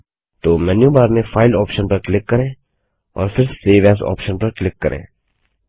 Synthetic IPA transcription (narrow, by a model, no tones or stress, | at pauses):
t̪oːmɛnjubaːɾmẽfʰaːɪlɔːpʃənpɐɾklɪkːɐɾẽː | ɔ̰ːɾfɪɾseːʋɛːs̬ɔ̰ːpʃənpɐɾklɪkːɐɾʔḛ̃ː